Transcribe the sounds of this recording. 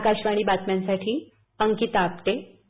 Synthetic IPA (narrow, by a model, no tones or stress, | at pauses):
kaɕʋaɽ̃iːbat̪mjãnsaʈʰiː | əŋkit̪ap̚t̪e